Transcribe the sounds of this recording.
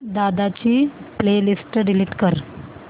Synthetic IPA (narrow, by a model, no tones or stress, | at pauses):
d̪ad̪at͡ɕiːplelisʈɖiliʈkəɾ